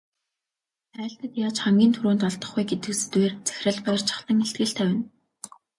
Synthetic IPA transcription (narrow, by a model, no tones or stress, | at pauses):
æːɬt̪ə̆t̪jaːt͡ɕχamɡʲiːnt̪ʰuɾuːnt̪ɔɮt̪ə̆χujɡet̪ɘ̆ksɘ̥t̪weːrt͡sæ̥x̆ʲə̆ɮpɔjrt͡ɕʰḁχɮə̆ŋeɬt̪ɡɘ̆ɬt̪ʰæwɪ̆n